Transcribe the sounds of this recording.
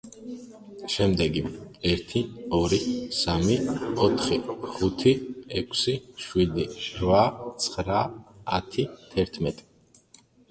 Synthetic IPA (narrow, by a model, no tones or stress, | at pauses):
ʃɛmd̪ɛɡiɛɾt̪ʰiɔɾisamiɔt̪ʰχiχut̪ʰiɛkʷʰsiʃwid̪iɾvat̪sʰχɾa̰ːt̪ʰit̪ʰɛɾt̪ʰmɛt̪ʼi̥